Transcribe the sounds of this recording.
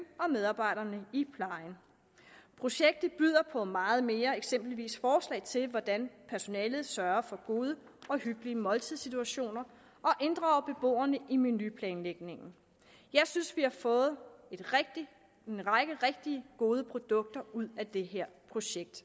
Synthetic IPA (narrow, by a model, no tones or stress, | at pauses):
ɒ̽með̞ˠɑ̈ːb̥ɑ̈ɪ̰ɾɐnəipʰlɑ̈ɪn | pʰʁo̝ɕeɡ̥̚d̥ð̩ˠb̥yð̰ˠɐpʰɒ̽mɑ̈ːð̞̩ˠme̝ːɐe̝ɡ̥sem̰b̥l̩ʋḭːsfɒːslɛ̰ɪt͡sʰe̝lʋɒd̥ænpʰæɐso̝nɛːlð̞̩ˠsɶɐɐfɒ̽ɡ̥o̝ːðˠə | ɒ̽hyɡ̥liəmɒ̽lt͡sʰið̞ˠsit͡sʰuæɕo̝̰ːnɐ | ʔɒ̽ʔe̝nd̥ʁɑ̈ʊb̥e̝b̥o̝̰ːɐnəʔiminypʰlɛːnleɡ̥ne̝ŋn̩ | jɑ̈ɪsynsʋihɑ̈fɔ̽ːð̞̩ˠe̝d̥ʁɡ̥d̥i | enʁɑɡ̥əʁeɡ̥̚d̥iəɡ̥o̝ːð̞ˠəpʰʁo̝d̥ɔ̽ɡ̥̚d̥ɐuð̞̰ˠæd̥e̝ɦeɐ̰pʰʁo̝ɕeɡ̥̚d̥